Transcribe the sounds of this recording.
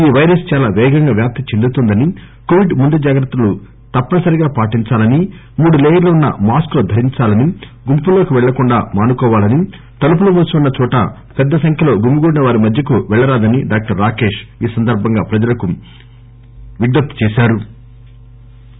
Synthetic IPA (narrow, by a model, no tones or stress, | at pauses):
iːʋɐjɾɐst͡ʃaːlaːʋɛːɡɐŋɡaːʋjaːp̚t̪it͡ʃend̪ut̪ɔnd̪ɐni | koʋiɖmund̪ud͡ʒaːɡɾɐt̪ːɐlu | t̪ɐpːɐnɐsɐɾiɡaːpaːʈiɲt͡ʃaːlɐni | muːɽuleːjɐɾlɐunːɐ̰maːskloːd̪ʱɐɾiɲt͡ʃaːlɐni | ɡumpulːo̞ːkiʋɛɭːɐkuɳɖa̰ːmaːnukɔːʋaːlɐni | t̪ɐlup̬ulumuːsiunːɐt͡ʃɔːʈɐ̰ | pɛd̪ːɐsɐŋkʰjɐlo̞ːɡumiɡuːɽinɐʋaːɾimɐd̪ʱjɐkuʋɛɭːɐɾaːd̪ɐniɖaːk̚ʈɐɾːaːkeːʃiːsɐnd̪ɐɾbʱɐŋɡaːpɾɐd͡ʒɐlɐku | ʋiɖ̪ːɐpt̪t͡ʃɛːʃaːɾu